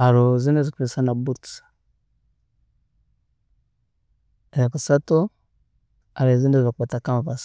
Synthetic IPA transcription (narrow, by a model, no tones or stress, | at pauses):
aɾozindezikuβisanabuts | ajakasato | aɾezindezzakbatakamvas